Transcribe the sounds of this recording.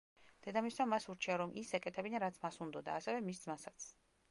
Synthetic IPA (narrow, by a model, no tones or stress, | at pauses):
d̪̥ɛd̪amisnamːasuɾt͡ʃʰiaɾɔmʔisɛkʼɛt̪ʰɛbinaɾat̪sʰmasund̪ɔd̪a̰ːsɛvɛmis̬d̪zmasat̪sʰ